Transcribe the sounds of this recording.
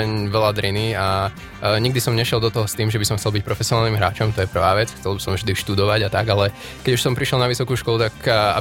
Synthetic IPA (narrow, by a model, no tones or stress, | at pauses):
ɛɲʋɛlad̪ɾinia | ɲiɡ̚d̪isɔmɲɛʃɪɛlˠd̪ɔt̪ɔɦɔst̪iːmʒɛbisɔmxt͡sɛlbic̚pɾɔfɛsiɔnalnimɦɾa̰ːt͡ʃɔmt̪ɔjɛpr̩ʋaːʋɛt͡sxt͡sɛlbisɔ̃mvʒd̪iʃt̪ud̪ɔʋaɟat̪aɡalɛ | kɛɟuʃsɔmpɾiʃjɛlˠnaʋisɔkuːʃkɔlut̪aka̰